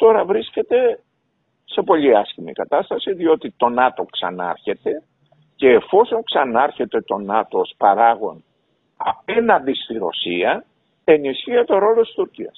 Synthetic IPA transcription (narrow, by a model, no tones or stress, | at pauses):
t̪o̞ɾɐvɾisce̞t̪e̞ | se̞po̞ʎiɐscimḭkɐt̪ɐst̪ɐsiðio̞t̪it̪o̞nɐt̪o̞ksɐ̰nɐ̰ɾçe̞t̪e̞ | ce̞ːfo̞so̞ŋksɐnɐɾçe̞t̪e̞t̪o̞nɐt̪ospɐɾɐɣo̞n | ɐ̰pe̞nɐnd̪ist̪iɾo̞̰siɐ | e̞nisçiet̪o̞ɾo̞lot̪i̥st̪uɾciɐs